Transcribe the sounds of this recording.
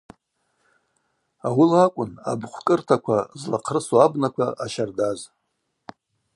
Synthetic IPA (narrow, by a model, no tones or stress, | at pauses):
awilakʷʼʊna̰bχʷkʼɨrtʰakʷʰazlaqʰrɨsoabnakʷʰaʔaʃardaz